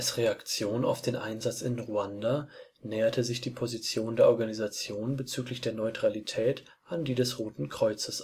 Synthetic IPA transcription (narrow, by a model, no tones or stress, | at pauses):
alsʁeakt͡sjoːna̰ʊfd̥eːnʔaɪnzat͡sɪnʁuanda | nɛːɐtʰəzɪçd̥iːpʰozit͡sjoːndeːɐʔɔɐɡanizat͡sjoːnbət͡syːklɪçd̥eːɐnɔʏtʁ̥alitʰɛːt | ʔandiːdɛsʁoːtn̩kʁ̥ɔʏt͡səs